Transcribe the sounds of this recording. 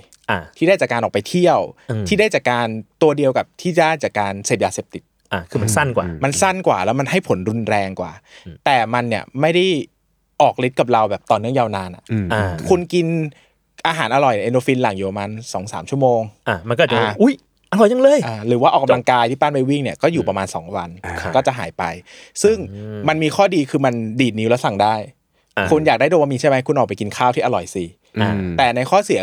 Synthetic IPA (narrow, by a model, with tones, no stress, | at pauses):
ʔa˧˩t̪ʰiː˥daː˥˩jt͡ɕaː˨˩kaː˧nʔɔː˨˩kpa˧jt̪ʰi˥˩əw̪ʰiː˥˩daː˥˩jt͡ɕaː˨˩kːaː˧nt̪u˧ɐdi˧əwka˨˩p̚t̪ʰiː˥˩˦aː˥˩jt͡ɕaː˨˩kːaː˧nseː˨˩p̚jaː˧seː˨˩p̚t̪i˨˩t̪̚ʔa˧˩kʰɯː˧ma˧nsa˥˩nkwa̰ː˨˩ma˧nsa˥˩nkwa̰ː˨˩lɛː˦˥wma˧nɦa˥˩jpʰo˨˩˦nɾu˧nɾɛː˧ŋkwa̰ː˨˩t̪ɛː˨˩ma˧nːi˧˩əma˥˩jda˥˩j | ʔɔː˨˩k̚li˦˥t̪̚ka˨˩p̚ɾa˧wbɛː˨˩p̚t̪ɔː˨˩nɯ˥˩əŋjaː˧wnaː˧nʔa̰˨˩ʔʔa˧kʰu˧nki˧n | ʔaː˧ɦaː˩˦nʔa˧ɾɔ˨˩jʔe˧ndoː˧fi˧nla˨˩ŋjuː˨˩pa˨˩maː˧nsɔː˩˦ŋsa̰ː˩˦mt͡ɕʰu˥˩əmoː˧ŋʔa˧˩ma˧nkɔ˥˨˩aː˧ʔu˦˥˩j | ʔa˧lɔ˨˩˦ja˧ŋlɤː˧jʔaː˧˩ɾɯː˩˦waː˥ʔɔː˨˩ka˧˩mla˧ŋkaː˧jt̪ʰiː˥˩paː˥˩npa˧jwi˥˩ŋni˥˩ɐkɔː˥˩juː˨˩pɾa˧maː˧nsɔː˩˦ŋwa˧nkɔː˥˩t͡ɕa˨˩ɦa̰ː˩˦jpa˧jsɯ˥˩ŋma˧nmiː˧kʰɔː˥˩diː˧kʰɯː˧ma˧ndiː˨˩ni˦wlɛ˦˥wsa˨˩ŋdaː˥˩j | kʰu˧njaː˨˩k̚aː˥˩do˧wa˧miː˧t͡ɕʰa˥˩jma˦˥jkʰu˧nʔɔː˨˩pjki˧nkʰaː˥˩wt̪i˥ʔa˧ɾɔ˨˩jsiː˧˩˧ | t̪ɛː˨˩na˧jkʰɔː˥˩si˨˩˦